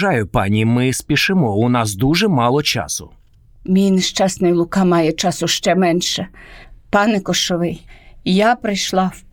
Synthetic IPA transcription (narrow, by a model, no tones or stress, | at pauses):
ɑjʊpɑnʲimɪspʲiʃɪmɔʊnɑsd̪uʒɛmɑlˠɔt͡ʃɑ̰sʊ | mʲijnʃt͡ʃɑsnɪjlˠʊkɑmɑjɛt͡ʃɑsʊʃt͡ʃɛmɛnʃɛpɑnɛkɔʃɔʋɪjjapɾɪjʃlˠɑw